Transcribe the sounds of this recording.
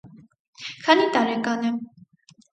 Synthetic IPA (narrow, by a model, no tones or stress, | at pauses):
kʰɑnit̪ɑɾɛkɑnɛ